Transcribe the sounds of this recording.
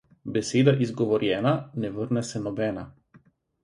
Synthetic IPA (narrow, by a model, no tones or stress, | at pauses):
bɛseːd̪aʔizɡɔʋɔɾjɛnanɛvəɾnɛsɛnɔbɛna